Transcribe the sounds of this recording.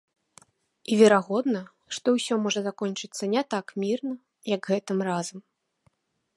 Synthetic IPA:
ivʲɛɾaɣɔd̪nɐ | ʂt̪ɔwsʲɔmɔʐɐzakɔnʲt͡ʂɨt̪sːɐnʲɛt̪akmʲirnɐ | jɐɡɣɛt̪ɨmrazɐm

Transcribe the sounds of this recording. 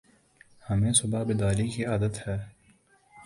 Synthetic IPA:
hɐmẽːsʊbabɪd̪aːɾikiaːd̪ət̪hɛː

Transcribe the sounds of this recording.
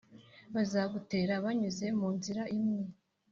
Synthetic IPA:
βazaːɡute̞ːɾaβaɲuze̞muːnziɾaʔimŋe

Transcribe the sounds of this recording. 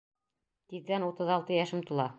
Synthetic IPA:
t̪iðɡænut̪ɤðɒlˠt̪ɤjæʃɘmt̪ŭlˠɑ

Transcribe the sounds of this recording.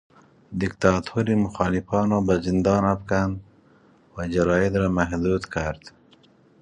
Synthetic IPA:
d̪ɪkt̪ɑːt̪ʰuɾimʊxɑːlɪfɑːnɔːbazɪnd̪ɑːnapkand̪ | wad͡ʒaɾɑːjed̪ɾaːmaɦd̪uːd̪kʰaɾd̪̥

